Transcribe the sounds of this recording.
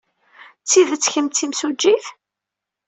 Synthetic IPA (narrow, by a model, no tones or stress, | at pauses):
t͡sːiðət͡sːçəmt͡s̪ːimsud͡ʒːiθ